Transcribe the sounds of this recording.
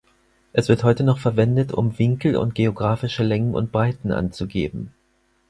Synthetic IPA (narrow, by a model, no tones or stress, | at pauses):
ʔɛsv̥ɪɐthɔʏtənɔχfɛɐvɛndətʊ̰mvɪŋkl̩ʊ̰nt̚ɡ̥eoɡʁaːfɪʃəlɛŋənʊ̰nt̚b̥ʁaɪtn̩ʔa̰nt͡suɡeːbm̩